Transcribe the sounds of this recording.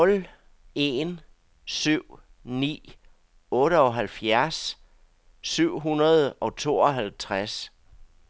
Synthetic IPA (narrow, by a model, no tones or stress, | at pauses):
nɔ̽l | e̝n | syʊ̰ | nḭː | ɔ̽ːɾəɒ̽ɦælfjæɐs | syʊ̰ɦunɐð̞ˠʔɒ̽t͡sʰo̝̰ːɒ̽ɦælt͡sʰʁas